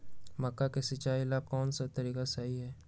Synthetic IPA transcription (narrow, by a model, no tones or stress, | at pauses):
mɐkːakesɪt͡ʃaːilaːb̚kɔːnsat̪ɐɾiːkasaɦiɦɛː